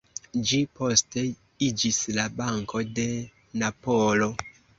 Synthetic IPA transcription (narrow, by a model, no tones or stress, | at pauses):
d͡ʒipo̞ste̞ | id͡ʒislabaŋkʰo̞de̞ | napolo̞